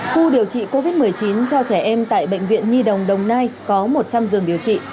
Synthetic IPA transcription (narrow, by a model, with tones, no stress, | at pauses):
xu˧ɗi˨˩əwt͡ɕḭ˧˨ko˧vi˦˥t̚mɨ˨˩əjt͡ɕi˨˦nt͡ɕɔ˧t͡ɕɛ˧˩ʔɛ˧mt̪a̰ː˧˨jɓə̰˧˨ŋ̟vḭ˧˨ənɲi˧ɗə˨˩wŋ͡mɗə˨˩wŋ͡mna˧jkɔ˨˦mo˨˩t̚t͡ɕa˧mzɨ˨˩əŋɗi˨˩əwt͡ɕḭ˧˨